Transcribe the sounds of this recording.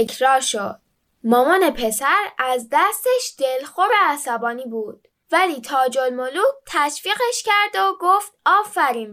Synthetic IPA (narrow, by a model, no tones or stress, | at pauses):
ekʰɾɒːɾʃod̪̥̚ | mɒːmɒːne̞pʰe̞sæɾæzd̪æst̪eʃd̪̥e̞lxoɾeæsæbɒːniːbuːd̪̥̚ | væliːt̪ʰɒːd͡ʒolmoluːk̚t̪ʰæʃfiːɣeʃcæɾd̪oɡoft̪̚ɒːfæɾiːm